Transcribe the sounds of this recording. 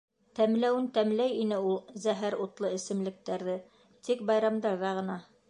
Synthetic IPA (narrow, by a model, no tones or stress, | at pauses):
t̪æmlæwɘnt̪æmlæjinɘulˠzæɦæɾut̪lˠɤɘ̆sɘ̆mlɘ̆k̚t̪æɾðɘ | t̪ik̚bɑjɾɑmd̪ɑɾðɑʁɤ̆nɑ